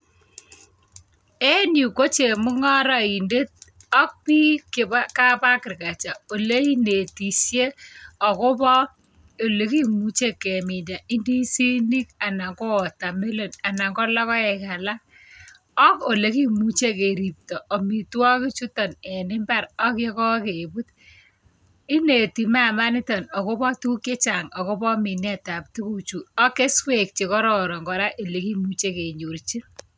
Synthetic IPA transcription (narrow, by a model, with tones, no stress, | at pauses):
ɛ˦nju˨ko˦t͡ʃe˨mʊ˦ŋɔ˦ɾɔ˨i˨nde˦t̚ɔ˦k̚pi˦kɪ˨ba˦ka˦pa˦kɪ˨rka˨t͡ʃa˨o˨le˦i˦ne˨ti˨sje˦ɔ˨ko˦bɔ˦ | o˨le˦ki˦mu˦t͡ʃe˦ke˨mɪ˨da˨i˦ndi˦si˦ni˦ka˨na˨ŋɡɔ˦ɔ˨ta˨me˦lo˨na˨na˨ŋɡɔ˦lɔ˦kɔ˦ɛ˨ka˨la˦ | ɔ˦ko˨le˨˦ki˦mu˨t͡ʃe˦ke˨ɾi˨p̚tɔ˨ɔ˨mi˨twɔ˦ki˦t͡ʃu˦tɔ˨nɛ˨nɪ˦mba˦ɾɔ˦ke˦kɔ˦ke˨bu˦t̚ | ɪ˦ne˨ti˨ma˦ma˦nɪ˦tɔ˨nɔ˨ko˦pɔ˦tu˦ke˦t͡ʃa˨ŋɔ˨ko˦pɔ˦mi˨nɛ˦ta˨p̚tu˦ku˨t͡ʃu˨ɔ˦ke˦swe˨k̚t͡ʃe˨kɔ˦ɾɔ˨ɾɔ˨ŋɡɔ˨ɾa˦ʔe˨le˨ki˦mu˦t͡ʃe˦ke˨ɲu˨ɾt͡ʃi˦n